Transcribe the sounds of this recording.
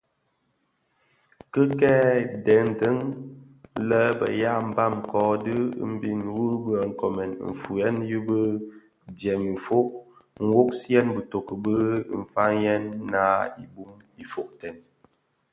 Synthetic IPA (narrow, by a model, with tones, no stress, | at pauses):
kə˦kɛ˦dɛ˨˦n̩˨tə˦ŋ | lə˦bə̰˨ja˦˨m˨ba˦˨mkɔ˦dɨ˦m̩˦bi˦˨nwu˦bə˦˨ŋ̩˨kɔ˨mɛ˨nɱ̩˨fu˨jɛ˦njɨ˦bə˦ | djɛ˨m̩˨fo˦ʔ̚ŋ̩˨wo˦k̚sɛ˦nbə˨to˨kə˨bə˦m̩˨fa˦ŋjɛ˦nːa˦ḭ˨bu˦m | i˨fo˨k̚tɛ˨n